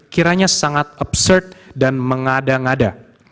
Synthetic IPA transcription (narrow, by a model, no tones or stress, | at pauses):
kiɾaɲasaŋat̪̚ɔbsərt̪̚danməŋadaŋada